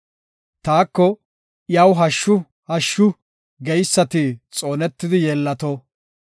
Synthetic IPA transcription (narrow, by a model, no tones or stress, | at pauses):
t̪aːkːɔ | ʔjɐwɦɐʃːʊ | hɐʃːʊ | ɡɛjsːɐt̪ɪt͡sʼo̞ːnɛt̪ːɪd̪ɪjɛːlːɐt̪ɔ